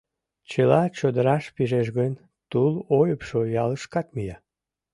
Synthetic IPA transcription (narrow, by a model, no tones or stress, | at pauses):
t͡ɕəlɑt͡ɕod̪əɾɑʃpiʒeʃɣənʲ | t̪ulojəpʃojɑləʃkɑt̪mijɑ